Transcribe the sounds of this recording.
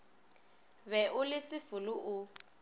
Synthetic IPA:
βɛʔʊlɪsɪfʊlʊʔʊ

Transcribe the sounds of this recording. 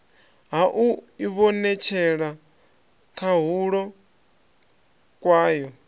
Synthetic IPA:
ɦaʔuiβɔnɛt͡ʃʰɛɺa | kʰaɦuɺɔ | kʼwaːjɔ

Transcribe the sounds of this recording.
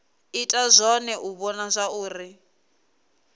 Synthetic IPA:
itʼazʷɔnɛʔuβɔnazʷauːri

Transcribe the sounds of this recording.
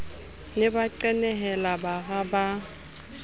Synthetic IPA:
lɪbaǃɛnɛɦɛlabaɣaba

